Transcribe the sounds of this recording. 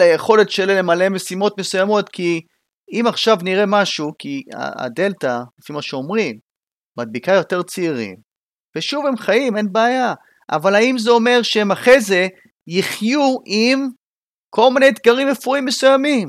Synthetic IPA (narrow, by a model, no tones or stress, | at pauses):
laje̞χo̞le̞tʃelilemale̞me̞simo̞t̪mesujamo̞t̪kʰi | imaχʃavniʁe̞maʃukia̰a̰d̪e̞lt̪alefimaʃeo̞mʁimː | ad̪̚bikajo̞t̪e̞ʁt͡seiʁḭm | ve̞ʃuve̞mχajime̞nbeaja | ʔa̰valaimzeo̞me̞ʁʃeemaχe̞ze̞ | jiχjuʔim | kʰo̞lmine̞jːt̪ɡaʁimefuimːesujamim